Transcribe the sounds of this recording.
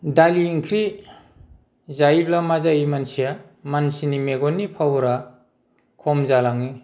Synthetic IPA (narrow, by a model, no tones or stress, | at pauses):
daliːŋkʰɾi | zajblamazaimansija | mansinimeɡɔnːipʰawɾa | kʰɔmzalaŋi